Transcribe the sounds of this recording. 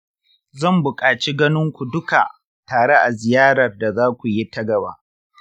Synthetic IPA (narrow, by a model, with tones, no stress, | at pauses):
zɐ˦˨mbʊ˨kʼaː˨t͡ʃiː˦ɡɐ˦nɪ˦ŋkʷu˨dʊ˦ka˨ | taː˨ɽe˦ʔa˨zɪ˨jaː˦ɽɐ˨rda˨zaː˦kʷu˨ji˦tɐ˦ɡɐ˨ba̰ː˨˦ʔ